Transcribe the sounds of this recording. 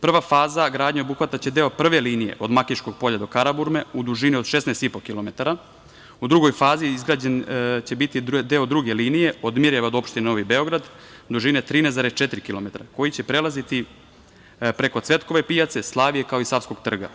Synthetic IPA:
pr̩ʋafaːzaɡɾaːd̪ɲeo̞buxʋat̪at͡ɕe̞d̪e̞opr̩ʋe̞liːnije̞̰ʔo̞d̪makiʃko̞ɡ̚po̞ʎad̪o̞kaɾabuɾmeud̪uʒinio̞d̪ʃesneːst̪ipo̞kilˠo̞me̞t̪aɾa | ud̪ɾuɡo̞jfaːziizɡɾaːd͡ʑent͡ɕe̞bit̪id̪e̞od̪ɾuɡeliːnije̞od̪miɾeʋaod̪o̞pʃt̪inenoʋibeo̞ɡɾad̪ | d̪uʒinet̪ɾiːnezaɾest͡ʃet̪iɾikilo̞me̞t̪ɾako̞jit͡ɕe̞pɾe̞lˠazit̪i | pɾeko̞t̪sʋe̞t̪ko̞ʋe̞pijat̪seslˠaːʋijekao̞isafsko̞ɡt̪r̩ɡa̰

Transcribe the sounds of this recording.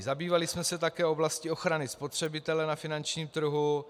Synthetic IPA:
zabiːvalɪsmɛsɛt̪akɛːo̞blascɪo̞xɾanɪspo̞t̪r̝̥ɛbɪt̪ɛlɛnafɪnant͡ʃɲiːmt̪r̩ɦu

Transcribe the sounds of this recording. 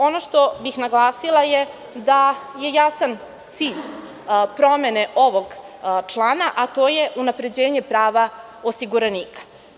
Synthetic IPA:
o̞noʃt̪o̞bixnaɡlˠaːsilˠaje | d̪aje̞jasan | t̪siːʎ | pɾo̞me̞neʔo̞ʋo̞ɡ | t͡ʂlˠaːnaʔat̪o̞ːjeʔunapɾe̞d͡ʑeːɲepɾaːʋa | o̞siɡuɾaniːkḁ

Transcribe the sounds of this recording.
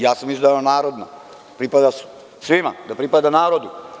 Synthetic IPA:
jaːsamizd̪alanaːɾod̪na | pɾipad̪a | sʋima̰d̪apɾipad̪anaːɾod̪u

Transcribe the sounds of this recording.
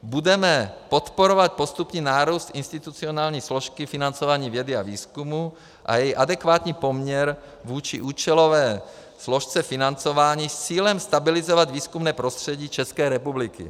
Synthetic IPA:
bud̪ɛmɛpot̪poɾovat̪̚post̪upɲɛnaːɾuːst̪inst̪it̪ut͡sionaːlɲiːsloʃkifinant͡sovaːɲiːvjɛd̪ia̰viːskumu | ʔa̰jɛjiʔad̪ɛkvaːt̪ɲiːpomɲɛɾ | vuːt͡ʃḭʔuːt͡ʃɛlovɛː | sloʃt͡sɛfinant͡sovaːɲiːst͡siːlɛmst̪abilizovad̪viːskumnɛːpɾost̪r̥ɛɟiːt͡ʃɛskɛːɾɛpublikḭ

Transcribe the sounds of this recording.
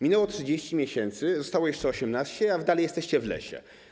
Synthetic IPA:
mʲinɛwɔtʂɨd͡ʑeɕt͡ɕimʲjeɕɛnt̪sɘzɔst̪awɔjɛʂt͡ʂɛɔɕɛmnaɕt͡ɕɛavd̪alɛjɛst̪ɛɕt͡ɕɛvlɛ̰ɕɛ̰

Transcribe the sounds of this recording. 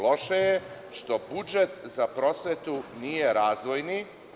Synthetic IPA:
lo̞ʃeje | ʃt̪o̞bud͡ʒet̪zapɾo̞sʋet̪unijeɾaːzʋo̞jni

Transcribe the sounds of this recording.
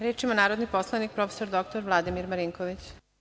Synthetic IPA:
ɾeːt͡ʂimonaːɾod̪niposlˠanik̚pɾofesoɾd̪ok̚t̪oɾʋlˠad̪imiɾmaɾiŋkoʋit͡ɕ

